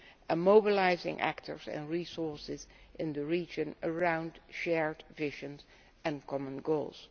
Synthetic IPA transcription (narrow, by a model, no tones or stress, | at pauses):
əmoʊbɪlaɪzɪ̰̃ŋʔæ̰ktʰə̰˞zɨ̰̃nɹisɔɹsɪzʔɪ̃ndəɹiːd͡ʒɨ̃nəɹãʊ̃ndʃɛɹdvɪʒə̃nz | ɨ̃nkʰɔmə̃nɡoʊlˠz̥